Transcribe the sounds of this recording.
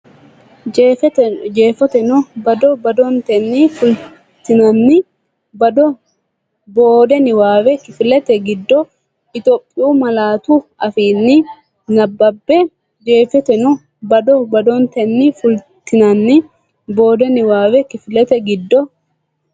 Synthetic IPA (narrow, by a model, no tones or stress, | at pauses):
d͡ʒ | d͡ʒe̞ːfɔt̪ɛnɔbɐd̪ɔbɐd̪ɔnt̪ɛnːɪfʊl | t̪ɪnɐnːɪ | bɐd̪ɔ | boːd̪ɛnɪwaːwɛkɪfɪlɛt̪ɛɡɪd̪ːɔ | ɪt̪oːpʼːɪuːmɐlaːt̪ʊʔɐfiːnːɪ | nɐbːɐbːɛ | d͡ʒeːfɛt̪ɛnɔ | bɐd̪ɔbɐd̪ɔnt̪ɛnːɪfʊlt̪ɪnɐnːɪ | bo̞ːd̪ɛnɪwaːwɛkɪfɪlɛt̪ɛɡɪd̪ːɔ